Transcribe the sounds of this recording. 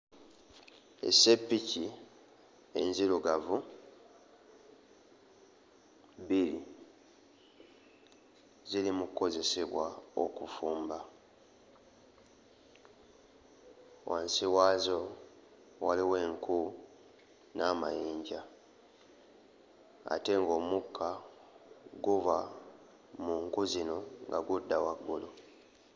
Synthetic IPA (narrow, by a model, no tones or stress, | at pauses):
ḛsepːici | e̞̰nziɾuɡavu | biɾḭ | ziɾimukko̞ze̞seβwao̰kufuːmba | waːnsiwaːzo̞ | waliwe̞ːŋkʰu | namajiːɲɟa | a̰te̞ŋɡo̞mukʰːa | ɡuva | muŋkuzino̞ŋɡa̰ɡudːawaɡːulo